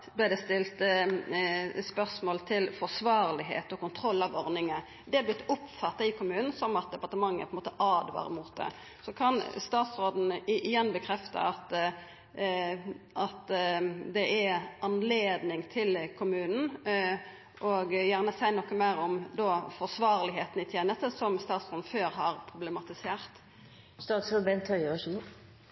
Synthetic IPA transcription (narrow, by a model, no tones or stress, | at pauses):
d̪æd̪ɛst̪ɪlt̪ | spœʁsmoːlt̪ʰɪlfɔʁsʋɑːɾlɪɦḛːt̪ɔkʊnt̪ʰʁɔlːɑʋɔɾnɪŋə | d̪ɛæɾblɪt̪ːʊpfɑt̪ːɑɪkʊmʉːnn̩sɔmɑt̪̚d̪ɛpɑʁt̪əmɑŋːæ̰pʰɔɛnmoːt̪əʔɑːd̪ʋɑ̰ːɾmuːt̪̚d̪ɛ̰ | sɔkʰɑnst̪ɑːt̪sʁoːd̪n̩ɪjɛnːbəkʰɾɛft̪ɑ̰ɑt̪ | ʔɑt̪d̪ɛʔæɑnleːd̪nɪŋt̪ʰɪlkʰʊmʉːnn̩ | ʔɔɡjæʁnəsæɪnɔkːəmæɪɾɔmd̪ɔfɔʁsʋɑːʁlɪɦeːt̪n̩ɪt̪ʰjeːnəst̪əsɔmst̪ɑːt̪sʁoːd̪n̩føːɾɦɑɾpʰʁʊblɛmɑt̪ɪseːʁt̪ | st̪ɑːt̪soːd̪bɛnt̪ʰœʏɔʃ